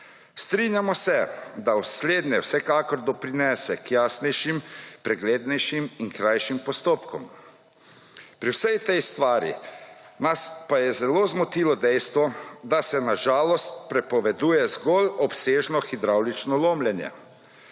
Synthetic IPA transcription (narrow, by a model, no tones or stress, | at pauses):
st̪ɾinjamɔsɛd̪awsleːd̪nɛwsɛkaːkɔɾd̪ɔpɾinɛːsɛkjaːsnɛjʃimpɾɛɡleːd̪nɛjʃiminkɾajʃimpɔst̪oːpkɔm | pɾiwsɛjt̪ɛjst̪ʋaːɾḭ | naspajɛzɛloːzmɔt̪iːlɔd̪ɛjst̪ʋɔd̪asɛnaʒaːlɔst̪̚pɾɛpɔʋɛd̪uːjɛzɡɔlɔpseːʒnɔxid̪ɾawlit͡ʃnɔloːmljɛnjɛ̰